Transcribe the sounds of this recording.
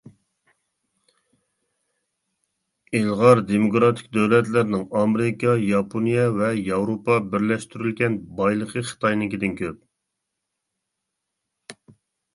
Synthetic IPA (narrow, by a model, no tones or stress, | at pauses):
elˠʁɑɾd̪emokɾɑt̪ʰɪ̥k̚ʲd̪øwlɛt̪lɪɾnɪŋɑmeɾɪkʰɑjɑpʰonijɛvɛjɑwɾopɑbɪɾlɛʃt̪ʰyɾylɡʲɛnbɑjlˠəqʰəχə̥t̪ʰɑjnɪkʲid̪ɪnkʲʰøp̚